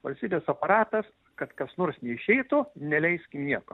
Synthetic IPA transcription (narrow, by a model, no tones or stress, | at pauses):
ʋɐlʲsʲt̪ʲiːbʲeːsɐpɐɾɑːt̪ɐs | kɐt̪kɐsnoːɾsnʲɛɪʃʲɛɪt̪ʊnʲɛlʲɛɪsʲkʲɪmnʲiɛko̰